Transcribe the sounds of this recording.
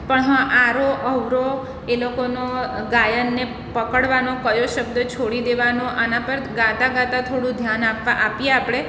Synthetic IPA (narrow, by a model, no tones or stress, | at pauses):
pəɳɦãʔaɾoʔəʋɾo | elokonoɡajənːe | pəkəɽʋanokəjoʃəb̚d̪ət͡ʃʰoɽid̪eʋanoʔanapəɾɡãt̪aɡãt̪at̪ʰoɽũd̪ʱjanapʋaʔapjeapɽe